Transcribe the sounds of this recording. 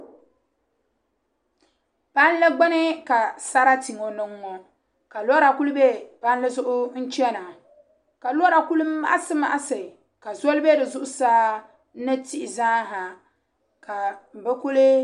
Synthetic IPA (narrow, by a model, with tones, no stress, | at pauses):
pa˦n˦lɨ˦ɡ͡ba˦nɨ˦ka˨sa˦ɾa˦ti˨ŋɔ˨nɨ˦ŋːɔ˨ | ka˨lɔ˦ɾa˨ku˦lɨ˦be˦pa˦n˦lɨ˦zʊ˦ʔʊ˦n̩˦t͡ʃi˦ɛ˦na˨ | ka˨lɾa˨ku˦lɨ˦ma̰˦ʔsɨ˦ma̰˦ʔsɨ˨ | ka˨zo˦lɨ˦be˦dɨ˨zʊ˦ʔʊ˦saː˦ | nɨ˦ti˦ʔɪ˨zaː˦ɦa˨ | ka˨m̩˨bɨ˦ku˦lɨ˦